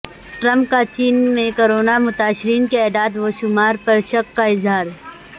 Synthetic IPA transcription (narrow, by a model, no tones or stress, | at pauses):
ʈɾɐ̃mp̚kat͡ʃiːnmẽkoːɾoːnamʊt̪aːʃɪɾiːnkeɛːd̪aːd̪ʋoːʃʊmaːɾpɐɾʃɐkːaɪzɦaːɾ